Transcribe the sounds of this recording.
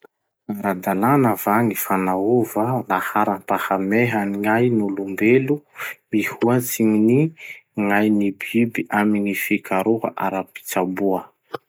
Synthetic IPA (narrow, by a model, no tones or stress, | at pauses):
aɾad̪ananavanifanauvalahaɾampahameɦaniŋajnulumbelumihuat͡siminiŋajnibibiʔaminifikʰaɾuɦa̰ʔaɾapi̥t͡sabuə